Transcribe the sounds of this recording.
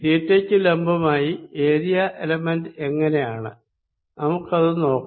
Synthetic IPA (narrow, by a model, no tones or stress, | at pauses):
diːtːekʲːɨlembʱɐmaːjieːɾijɐʔelɐmendɨe̞ŋːɐnejaːɳɨ̰ | nɐmukːɐðɨno̞ːkː